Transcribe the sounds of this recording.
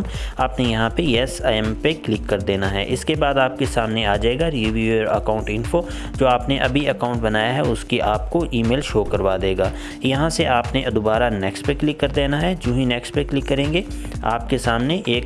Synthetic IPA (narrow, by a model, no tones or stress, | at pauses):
maːpnejɐɦãpeɛːsaːɛmpeklɪkːɐɾd̪eːnaɦɛ̰ʔɪskebaːd̪aːp̚kesaːmneaːd͡ʒaːeːɡaɾiʋieɾɐ̰kaːʊ̃ɳʈɪnfo | d͡ʒoːaːpneʔɐbʱiɐkaːʊ̃ɳʈbɐnaːjaɦɛʊskiʔaːp̚koʔiːmeːlʃoːkɐɾʋaːd̪eːɡaː | jɐɦãseʔaːpned̪ʊbaːɾanɛːkspeklɪkːɐɾd̪eːnaɦɛd͡ʒũːɦĩnɛːkspeklɪkːɐɾẽːŋɡea̰ːp̚kesaːmneʔeːk